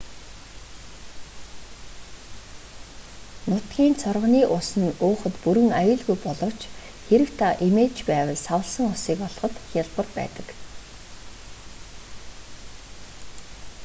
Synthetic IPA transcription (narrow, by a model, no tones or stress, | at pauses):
nʊt̪ɡʲiːnt͡sʰɔrʁə̆niːʔʊsə̆nʊːχə̆t̪puɾɘ̆ŋajʊːɮɣujpɔɮɞ̆w̥t͡ɕ | xeɾɘ̆wt̪ʰaʔimeːɮt͡ɕpæːwə̆ɮsawə̆ɮsə̆ŋʊsiːkɔɮχɞ̆t̪xʲaɮpə̆rpæ̰ːt̪ə̥̆k